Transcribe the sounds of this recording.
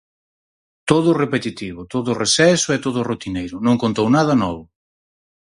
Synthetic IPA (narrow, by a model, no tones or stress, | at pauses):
t̪oðʊrepet̪it̪iβʊt̪oðʊresɛsʊɛt̪oðʊrot̪inejɾʊnõŋkont̪ownað̞ɐnɔβʊ